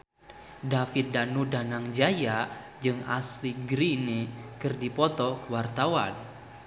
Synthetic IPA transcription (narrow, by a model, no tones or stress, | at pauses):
dafit̪̚danudanaŋd͡ʒaja | d͡ʒɨŋasliɡɾinekɨrdipɔt̪ɔkəwart̪awan